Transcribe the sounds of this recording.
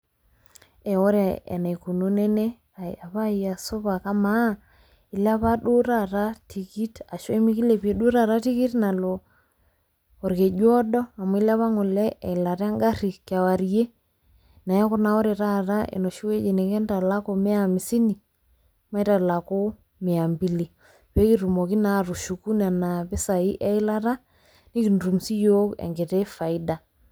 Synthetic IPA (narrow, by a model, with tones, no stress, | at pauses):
ɛ˨o˦ɾa˨ɛ̰˨na˨i˨ku˨no˦nɛ˦nɛ˦ | a˨a˨βa˦i˨a˨so˦βa˨ka˦ma˦ | i˨la˦βa˦ɗo˦ɾa˦˨ɾa˦tʰi˨ki˦ta˨ʃwe˦mi˦ki˦le˨pje˨ɗu˦ɾa˨ɾa˦ti˦ki˦tna˨lo˨ | ɔ˨ɾke˨d͡ʒwɔ˦dɔ˦a˨mɔ˨˦i˦la˦βa˦ŋo˨lɛ˦ʔɛ˨la˨ɾa˦ŋɡa˦ɾi˨kja˨wa˨ɾje˦ | na˨ja˦kɔ˦na˨ɔ˦ɾe˨ɾa˦ɾa˦ḛ˨nɔ˨ʃu˦we˦d͡ʒe˨ne˨ɡɛ˦nta˨la˦ko˨me˦a˨mi˨si˦ni˨ | ma˦i˦ta˨la˨ko˦ | me˨a˨mbi˦li˨ | pe˦ki˦ɾu˨mɔ˨ki˦na˨ɾu˨ʃu˨ku˦na˨na˨pe˦sa˨i˦ʔɛ˦i˦la˦ɾa˦ | ni˦ki˨nɾu˨msi˦jo˦kɛ̰˨ŋɡe˨tɛ˦fa˨i˦da˨